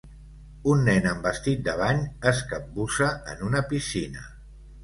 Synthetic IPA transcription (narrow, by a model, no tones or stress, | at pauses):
unːɛnəmbəst̪it̪̚d̪əβ̞aɲəskəp̚busəənunəpisinə̰